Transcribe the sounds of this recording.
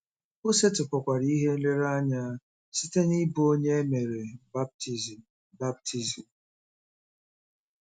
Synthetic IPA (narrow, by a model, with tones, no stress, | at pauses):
o˦se˦tʊ˨kɔ˨kʷa˨ɾi˦ɦe˦n̩˦le˦ɾa˦ɲa˦ | si˦te˦ni˦bu˦o˦ɲe˦e˦me˨ɾe˨ba˦b̚ti˦z | ba˦b̚tʰi˦zi˨m̩